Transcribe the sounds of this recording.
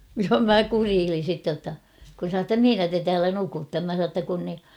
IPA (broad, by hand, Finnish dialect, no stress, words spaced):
jɑ mæ kuriːlin̞ sitːe j̆otːɑ kun sɑ tːɑ mihinæ te tæːlæ nukutːɑ mæ sɑ tːɑ kun ni